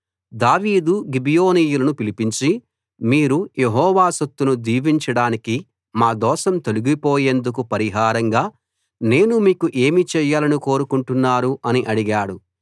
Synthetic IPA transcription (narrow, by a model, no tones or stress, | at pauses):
d̪aːʋiːd̪uɡibijo̞ːniːjulɐnupilipiɲt͡ʃi | miːɾujeɦɔːʋaːsɐt̪ːunud̪iːʋiɲt͡ʃɐɽaːniki | maːd̪ɔːʃɐmt̪oluɡipoːje̞nd̪uk̬upɐɾiɦaːɾɐŋɡaː | ne̞ːnumiːkuʔe̞ːmit͡ʃɛːjaːlɐniko̞ːɾukuɳʈunːaːɾuʔɐniʔɐɽiɡaːɽu